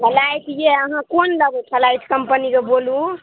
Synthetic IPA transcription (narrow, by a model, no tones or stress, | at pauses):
kʰəlajt̪jeəɦãkonləɡɛkʰəlajt̪ʰkəmpənikebolũ